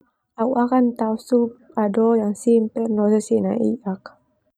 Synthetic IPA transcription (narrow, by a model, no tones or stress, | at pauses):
auʔakant̪ausup̚adojaŋsimpɛrnosesina̰ʔḭak